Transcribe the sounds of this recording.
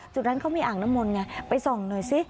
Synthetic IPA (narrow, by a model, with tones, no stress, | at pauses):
t͡ɕu˨˩na˦˥nkʰa˦˥wmiː˧ʔaː˨˩ŋ̚naː˦˥mːo˧nŋa˧˩pa˧jsɔ˨˩ŋnɯː˨˩jsi˦˥